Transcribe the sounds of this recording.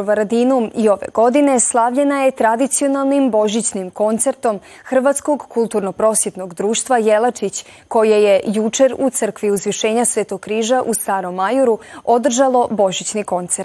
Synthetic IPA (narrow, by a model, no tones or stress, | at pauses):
oʋaɾad̪inumio̞ʋḛɡo̞d̪ine̞slˠaʋʎe̞naje̞t̪ɾad̪it̪sio̞nalˠnimbo̞ʒit͡ɕnimko̞nt̪se̞ɾt̪o̞m | xr̩ʋat̪sko̞ɡkulˠt̪uɾno̞pɾo̞sjet̪noɡd̪ɾuːʃt̪ʋaje̞lˠat͡ʃit͡ɕ | ko̞jeje̞jut͡ʃe̞ɾut̪sər̩kʋiuzʋiʃe̞ːɲasʋeːt̪oɡ̚kːɾiːʒaʔust̪aːɾo̞mːajuɾuo̞d̪r̩ʒalˠo̞bo̞ʒit͡ɕniko̞nt̪seɾt̪